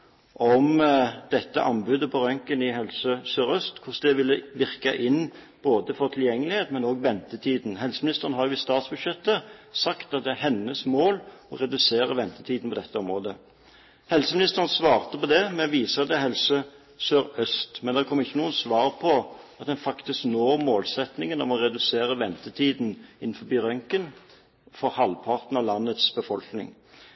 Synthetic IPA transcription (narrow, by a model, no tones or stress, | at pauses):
ʔɔmd̪ɛt̪ːə̰ʔɑnbʉːd̪əpʰɔʁœŋkənɪɦɛlsəsøːʁœst̪kʰʊsd̪ɛʋɪlːəʋɪʁkəʔɪnː | b̥oːd̪əfɔʁt̪ʰɪljɛŋːəlɪheːt̪mɛnoːɡʋɛnt̪ət̪ʰiːd̪nhɛlsəmɪnɪst̪əʁnhɑʁjʊʋɪst̪ɑːt̪sbʉd̪ʃjɛt̪ːəsɑkt̪ɑt̪̚d̪ɛæʁhɛnːəsmoːlɔ̰ʁɛd̪ʉseːʁəʋɛnt̪ət̪ʰiːd̪n̩pʰɔd̪ɛt̪ʰːəɔmʁoːd̪ə | hɛlsəmɪnɪst̪əʁənsʋɑːʁt̪əpɔd̪ɛmɛʋiːsəd̪ɛɦɛlsə | søːʁœst̪mɛnd̪ɛʁkʰɔmːɪçːənuːənsʋɑːʁpʰɔɑt̪̚d̪ɛnfɑkt̪ɪsknoːʁmoːlsɛt̪nɪŋənɔmɔʁɛd̪ʉseːɾəʋɛnt̪ət̪ʰiːd̪nɪn̩ːfɔbiːʁœŋkən | fɔʁhɑlpʰɑʁt̪n̩ɑʋlɑnːət̪sbəfɔlknɪ̰ŋ